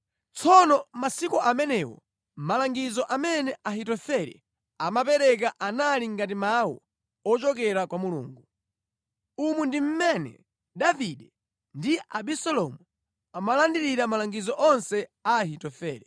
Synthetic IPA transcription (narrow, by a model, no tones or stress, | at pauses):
t͡sʰɔnɔmasikɔʔamɛnɛwɔ̰ | malaŋɡizɔʔamɛnɛʔaɦitɔfɛɾɛ̰ | amap̬ɛɾɛk̬aʔanaliŋɡat̬imawɔ̰ | ɔt͡ʃɔkɛɾakwamulṵːŋɡu | umundim̩mɛnɛ̰ | ɗaviɗɛ | ndiaɓisɛlɔmu | amalandiɾiɾamalaŋɡizɔʔɔnsɛahitɔfɛːɾɛ